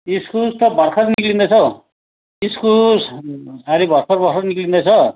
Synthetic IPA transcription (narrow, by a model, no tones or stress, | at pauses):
iskult̪ʌbʌrkʰʌtniklind̪ʌt͡sʰʌ | iskussaɾibʱʌrpʰʌɾbʌɾkʰʌɾniklind̪ʌt͡sʰʌ